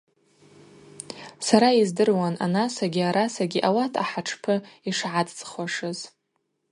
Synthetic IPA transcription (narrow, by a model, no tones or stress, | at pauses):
saɾaizdɨrwana̰nasaɡʲiaɾasaɡʲiʔawatʰa̰ħaʈ͡ʂʰpʰɨiʂʕadt͡sʼχwaʂɨz